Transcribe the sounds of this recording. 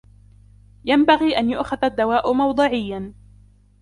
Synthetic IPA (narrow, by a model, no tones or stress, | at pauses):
jambaɣiːʔanjʊʔxaðad̪ːawaːʔʊmɑwd̪ˤɨʕɪjːan